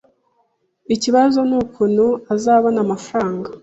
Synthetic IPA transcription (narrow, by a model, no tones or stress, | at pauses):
iciβazo̞nuːkunuazaːβonaːmafaɾaːŋɡa